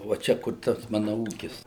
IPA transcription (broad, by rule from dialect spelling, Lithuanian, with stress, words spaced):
ʋɐ ˈt͡ʃʲɛ kʊr ˈtɐs ˈmɑːnɐ ˈuːkʲɪs